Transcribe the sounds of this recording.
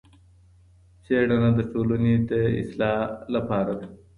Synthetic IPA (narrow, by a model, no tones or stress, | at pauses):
seɽanad̪əʈolaned̪əɪ̰slɑːlapɑːɾad̪a